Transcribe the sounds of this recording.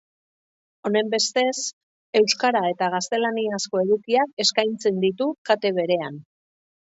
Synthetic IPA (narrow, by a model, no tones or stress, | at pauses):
o̞ne̞mbe̞st̪e̞s | e̞wskaɾae̞t̪aɣ̞ast̪e̞laniasko̞e̞ðukiake̞skajnt͡se̞nd̪it̪ukat̪e̞βe̞ɾe̞an